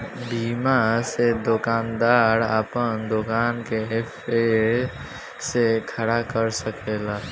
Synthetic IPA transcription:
biːmased̪ʊkaːnd̪aːɾaːpənd̪ʊkaːnkeepʰe | sekʰəɾakəɾsəkeːlaː

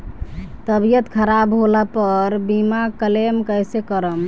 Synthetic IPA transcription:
t̪əbijət̪kʰəɾabɦolapəɾbimakəlemkəjsekəɾəm

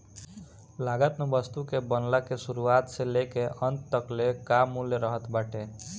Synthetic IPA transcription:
laɡət̪nəbəst̪ukebənlakesuɾuat̪selekeʔʌnt̪t̪əklekamũleɾəɦət̪baʈe

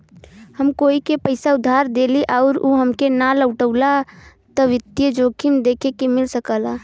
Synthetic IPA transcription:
həmkoːikepəɪsaʊd̪ʱːaːɾd̪eːliʔaʊɾuɦəmkenaləʊʈəʊla | t̪əʋɪt̪jəd͡ʒoːkʰind̪eːkʰekemɪlsəkəla

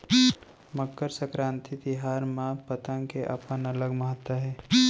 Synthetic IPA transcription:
məkːəɾsəkɾãːnt̪ʰid̪ɪɦaːɾmãpət̪ə̃ŋkeʔɐ̰pənɐləɡməɦət̪wəɦɛː

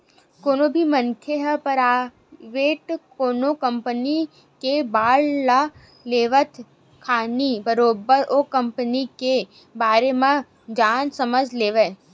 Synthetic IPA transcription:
koːnobʱimɐnkʰjeɦpəɾaː | ʋeːʈkoːnokɐ̃mpəni | kebaːɽla | leːʋət̪ʰ | kʰaːnibɐɾoːbəɾʔoːkɐ̃mpənike | baːɾemã | d͡ʒaːnsɐməd͡ʒʱleːʋe

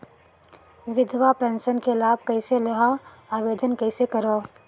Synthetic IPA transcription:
ʋɪd̪ʋapɛ̃ːnʃənkelaːb̚kɐɪselɐɦa | aːʋeːd̪ənkɐɪsekɐɾoː

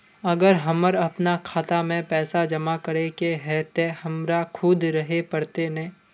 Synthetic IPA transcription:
ɐɡəɾɦɐməɾɐpnakʰaːt̪amẽpɛːsad͡ʒɐmakɐɾekeɦɛːt̪ehɐmɾakʰʊd̪ɾɐɦepɐɾt̪enɛ̃ː

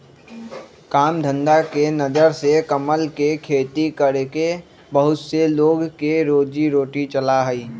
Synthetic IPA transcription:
kaːmd̪ʱə̃nd̪akenəd͡ʒəɾsekəməlkekʰeːt̪ikəɾeke | bəɦʊt̪seloːɡkeɾoːd͡ʒiɾoːʈit͡ʃəlaɦəiː

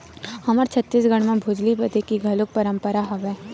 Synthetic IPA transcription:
hɐməɾt͡ʃʰət̪ːiːsɡəɽ̃mẽbʱʊd͡ʒlibət̪ekiɡʱɐlʊk̚pəɾə̃mpəɾaɦoʋɛː

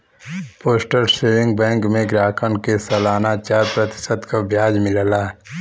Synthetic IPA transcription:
poːsʈəɾseːʋɪ̃ŋɡbɛ̃ːŋkmẽɡɾaːkənkesɐlaːnat͡ʃaːɾpɾət̪ɪ̥səd̪kabʱjaːd͡ʒmɪləla

